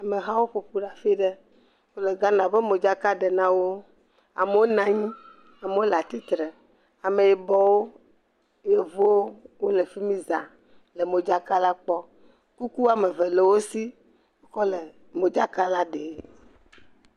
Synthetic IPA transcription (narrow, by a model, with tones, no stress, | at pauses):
a˨me˨ɦa˦wo˦ɸo˨ɸu˦ɖa˦fi˦ɖɛ˦ | wo˦le˨ɡã˦nã˨be˦me˨d͡ʒa˦ka˦ɖe˨nã˦wo˦ | a̰˨me˨˦wo˦nã˨ɲĩ˦ | a˨me˨wo˦la˨t̪i˦t̪ɾɛ˨ | a˨me˨je˨bɔ˨wo˦ | je˦vo˦wo˦wo˦le˨fi˦mĩ˦za̰˨ | le˨mo˨d͡ʒa˦ka˦la˦k͡pɔ˦ | ku˦ku˦a˨me˨ve˨le˨wo˦si˦ | wo˦kɔ˦le˨ | mo˨d͡ʒa˦ka˦la˦ɖe˨˦